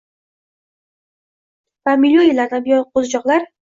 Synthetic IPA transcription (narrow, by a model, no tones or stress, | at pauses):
vamilʲːjoilaɾd̪abɪjɒjqʰozd͡ʒɒqlˠaɾ